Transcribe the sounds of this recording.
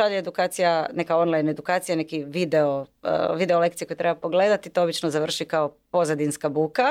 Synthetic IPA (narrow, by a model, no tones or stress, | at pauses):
aʎeed̪ukaːt̪sijane̞kao̞nlˠajne̞d̪ukaːt̪sijanekiʋid̪eo̰ʋid̪e̞ole̞kt̪ieko̞jet̪ɾe̞bapoɡle̞ːd̪at̪it̪oobit͡ʃnozaʋr̩ʃikaopo̞zad̪inskabuːka